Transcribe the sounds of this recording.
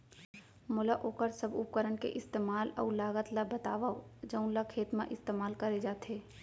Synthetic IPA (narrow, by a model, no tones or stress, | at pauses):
mʊlaʔoːkəɾsəbʊ̰p̚kəɾənkḛʔɪst̪eːmaːlɔ̰ːlaːɡət̪labət̪a̰ːʋad͡ʒɐʊ̃nlakʰeːt̪mã̰ʔɪst̪eːmaːlkɐɾed͡ʒaːt̪ɦeː